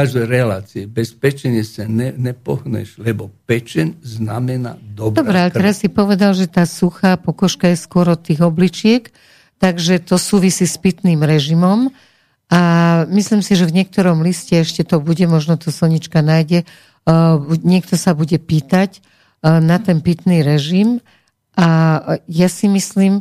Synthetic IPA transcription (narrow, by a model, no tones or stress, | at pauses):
aʒd̪ɛɛɾɛlaːt͡siɛbɛspɛt͡ʃɛɲɛsanɛnɛpɔɦnɛ̰ʃlɛbɔpɛt͡ʃɛnzna̰mɛna̰d̪ɔbd̪ɔbɾɛalɛt̪ɛɾasːipɔʋɛd̪alʒɛt̪aːsuxaːpɔkɔʃkajɛskʊɔɾɔt̪ːiːɣɔblit͡ʃɪɛk | t̪aɡʒɛt̪ɔsuːʋisiːspit̪niːmɾɛʒimɔm | amisliːmsiʒɛvɲɪɛk̚t̪ɔɾɔmliscɛɛʃcɛt̪ɔbuɟɛmɔʒnɔt̪ɔsɔlɲit͡ʃkanajɟɛ | ɲɪɛkt̪ɔsabuɟɛpiːt̪ac | nat̪ɛnpit̪niɾɛʒim | ʔajasimisliːm